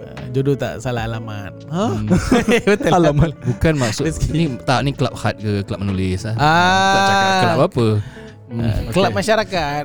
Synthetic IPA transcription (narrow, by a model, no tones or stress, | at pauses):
d͡ʒodot̪a̰ʔsalaalaman̚ə | at̪aalambukanmaksʊsknit̪aʔnikəlap̚hat̪̚kəkəlap̚ənulislaaaaapapə | kəlapmaʃaɾakat̪̚